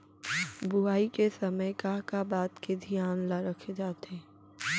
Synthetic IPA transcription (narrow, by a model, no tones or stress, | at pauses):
bʊaːikesɐməjkaːɦkabaːt̪ked̪ʱijaːnlaɾɐkʰed͡ʒaːt̪ẽː